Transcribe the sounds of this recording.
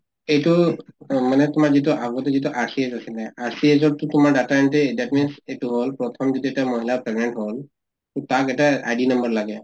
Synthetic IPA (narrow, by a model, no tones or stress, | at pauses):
ejtu | manɛtʊmaɹzit̬uʔaɡɔtɛzituʔaɹsiezasilɛaɹsiezɔtːʊtʊmaɹdatamɛntɛdatminsetuɦolpɹɔtʰɔmzituɛtamoɦilapɹɛɡnɛntɦol | tʊtakɛtaajdinʌmbɔɹlaɡɛ